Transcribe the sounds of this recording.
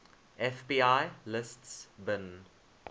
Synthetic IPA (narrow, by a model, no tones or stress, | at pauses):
ɛfbiːaɪlɪstsbɪ̃n